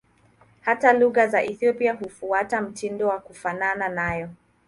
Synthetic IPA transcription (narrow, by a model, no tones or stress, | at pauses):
hataluɣazaʔiθiɔpiaɦufuatam̩tindɔwakufanananajɔ